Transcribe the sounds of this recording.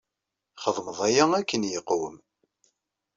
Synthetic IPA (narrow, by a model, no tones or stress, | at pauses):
χəðˤməðˤæjæækːənjəqːwə̰m